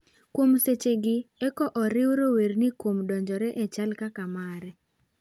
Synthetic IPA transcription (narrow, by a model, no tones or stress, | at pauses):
kwomset͡ʃeɡɪɛkɔʔɔɾɪwɾowernɪkwomdɔɲd͡ʒɔɾɛʔɛt͡ʃalkakamaɾɛ